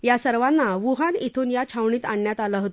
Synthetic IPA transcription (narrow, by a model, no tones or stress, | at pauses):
jasəɾʋanːaʋuɦanit̪ʰuːnjat͡ɕʰawɳiːt̪aɳjat̪alaɦot̪